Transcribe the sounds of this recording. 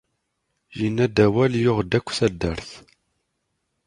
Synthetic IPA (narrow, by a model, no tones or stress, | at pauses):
jinːæd̪æwæljʊʁd̪ækʷːθæd̪ːəɾθ